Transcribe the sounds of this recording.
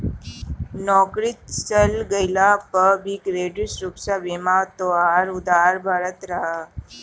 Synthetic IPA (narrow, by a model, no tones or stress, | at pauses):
nɔːkɾit̪t͡ʃəlɡəjlapəbikʋeːɖɾisɾuksaʋemat̪oaːɾʊd̪aːɾbʱaːɾət̪ɾəɦa